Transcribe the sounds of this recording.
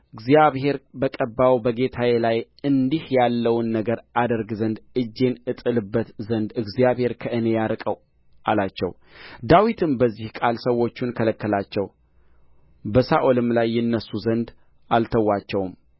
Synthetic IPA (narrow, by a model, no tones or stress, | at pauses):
ʔɨɡzijaβhe̞ɾbəkʼəbːawbəɡe̞t̪ʰawelaj | ɨnd̪ihjalːəwnːəɡəɾad̪əɾɡzənd̪ɨd͡ʒːe̞nɨt̪ʼɨlɨbːət̪zənd̪ɨɡzijaβhe̞ɾkʰəʔɨne̞jaɾkʼəw | ʔalat͡ʃːɛ̰w | d̪awit̪ʰɨmbəzːihkʼalsəwːo̞t͡ʃːunkʰələkːəlat͡ʃːɛw | bəsaʔolɨmlajːɪnːəsːuzənd̪ | ʔalt̪ʰəwːat͡ʃːɛwm